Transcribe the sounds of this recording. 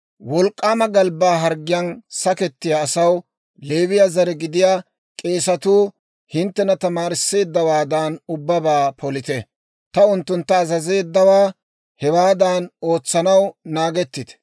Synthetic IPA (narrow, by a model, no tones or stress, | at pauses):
wɔlkʼːaːmɐɡɐlbaːɦɐɾɡɪjɐnsɐkɛt̪ːɪjaːsɐw | le̞ːβɪjazɐɾɛɡɪd̪ɪjaː | kʼe̞ːsɐt̪uː | hɪnt̪ːɛnɐt̪ɐmaːɾɪsːe̞ːd̪ːɐwaːd̪aːnʊbːɐbaːpʰɔlɪt̪ɛ | t̪ɐʊnt̪ːʊnt̪ːɐːzɐze̞ːd̪ːɐwaː | hɛwaːd̪aːno̞ːt͡sːɐnɐwnaːɡɛt̪ːɪd̪ɛ̥